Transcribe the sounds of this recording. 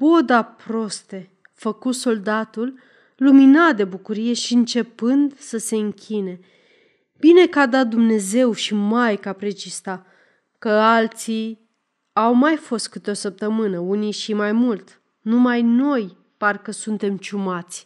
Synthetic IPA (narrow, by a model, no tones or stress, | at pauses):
bo̞d̪apɾo̞st̪e | fəkut̪so̞ld̪at̪ulː | uminat̪̚d̪e̞bukuɾije̞ʃiɨnt͡ʃe̞pɨnd̪səse̞ɨŋkʲʰine̞ | b̥ine̞kad̪at̪̚d̪umne̞ze̞wʃimajkapɾet͡ʃist̪a | kəalt̪si | awmajfo̞st̪̚kɨt̪eo̞səp̚t̪əmɨnəunijʃimajmult̪ | numajno̞j | parkəsunt̪e̞mt͡ʃumat̪sʲ